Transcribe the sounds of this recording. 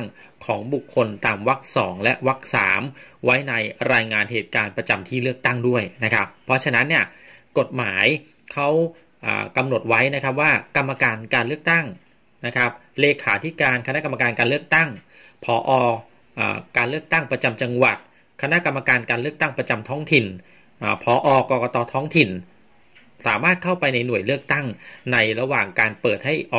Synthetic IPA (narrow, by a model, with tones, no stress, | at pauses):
ŋ | kʰɔ̰ː˩˦ŋbu˨˩kʰːo˧nt̪aː˧mwa˦˥k̚sɔ̰ː˩˦ŋlɛ˦˥ʔwa˦˥k̚sa̰ː˩˦mwa˦˥jna˧jɾaː˧jŋaː˧nɦeː˨˩t̪̚kaː˧npɾa˧t͡ɕa˧mt̪ʰiː˥˩lɯ˥˩ək̚t̪a˥˩ŋdu˥˩əjna˦˥kʰa˦˥pʰːɔ˦˥t͡ɕʰa˧na˦˥nːi˥˩ɐko˨˩t̪̚maː˩˦j | kʰa˦˥w | ʔa̰ː˨˩ka˧mno˨˩t̪̚wa˦˥jna˦kʰɾa˦˥p̬̚waː˥˩ka˧mːa˧kaː˧nkaː˧nlɯ˥˩ək̚t̪a˥˩ŋ | na˦˥kʰɾa˦˥p̚leː˧kʰaː˩˦t̪ʰi˦˥kaː˧nkʰa˧na˦˥ka˧ma˧kaː˧nkaː˧lɯ˥˩ək̚t̪a˥˩ŋ | pʰɔː˩˦ʔɔː˧ | ʔa̰ː˨˩kaː˧nlɯ˥˩ək̚t̪a˥˩ŋpɾa˧t͡ɕa˧mt͡ɕa˧ŋwa˨˩t̪̚ | kʰa˧na˦˥ʔka˧mːa˧kaː˧nkaː˧nlɯ˥˩ək̚t̪a˥˩ŋpɾa˧t͡ɕa˧mt̪ʰɔː˦˥ŋt̪ʰi˨˩n | ʔaː˨˩pʰɔː˩˦ʔɔː˧kɔː˧kɔː˧t̪ɔː˧t̪ʰɔː˦˥ŋt̪ʰi˨˩n | saː˩˦maː˥˩t̪̚kʰa˥˩wpa˧jna˧jnu˨˩əjlɯ˥˩ək̚t̪a˥˩ŋna˧jɾa˧waː˨˩ŋkaː˧npɤː˨˩t̪̚ha˥˩jʔɔː˨˩